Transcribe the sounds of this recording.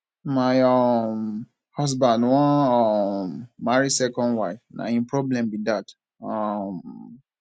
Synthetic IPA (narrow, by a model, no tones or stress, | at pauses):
majɔm | hɔsbãndwɔ̃ɔmaɾisɛkɔ̃ndwaɪfna̰ĩpɹɔblɛ̃mbidat | ɔm